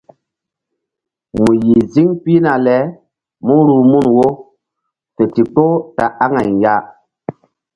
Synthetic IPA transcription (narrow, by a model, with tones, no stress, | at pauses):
mu˨ji˨zi˦ŋpi˦na˨lɛ˨˦ | mu˦ɾu˨mu˦˨nwo˦ | fe˨ti˨k͡po˦ta˨ʔa˦ŋa˨jja˦